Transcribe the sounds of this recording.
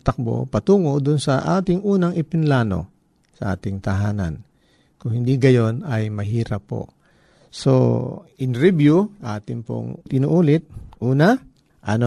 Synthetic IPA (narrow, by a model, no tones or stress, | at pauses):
t̪ɐk̚bo̰pɐt̪uːŋoʔd̪ʊnsɐʔaːt̪ɪŋʔuːnɐŋʔɪpɪnlaːno̞̰ | sɐʔa̰ːt̪ɪŋt̪ɐɦaːna̰n | kʊŋhɪnd̪iɡɐjo̞nɐjmɐɦiːɾɐpːo̰ | so̰ʔɪnɾɪbjuʔaːt̪ɪŋpo̰ŋt̪ɪnuʔuːlɪt̪̚ʔuːna | ʔɐno